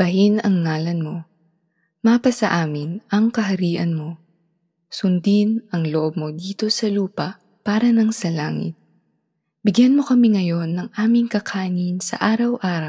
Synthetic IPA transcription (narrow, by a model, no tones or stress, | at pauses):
b̥ɐɦinɐŋːaːlɐnmo̞ | maːpɐsɐʔaːmɪnɐŋkɐɦɐɾiːʔɐnmo̞ | sʊnd̪inɐŋloʔob̚mo̞d̪iːt̪o̞sɐluːpɐʔ | paːɾɐnɐŋsɐla̰ːŋɪ̰t̪̚ | bɪɡjanmo̞kɐmiŋɐjo̞nːɐŋʔaːmɪŋkɐkʰaːnɪnsɐ̰ʔaːɾɐwʔaːɾɐww